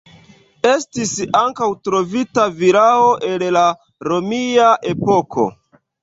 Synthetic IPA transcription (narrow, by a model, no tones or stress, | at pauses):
e̞stisaŋkawtɾo̞vitaviɾao̞ʔe̞lla | ɾo̞miaʔe̞po̞kʰo̞̰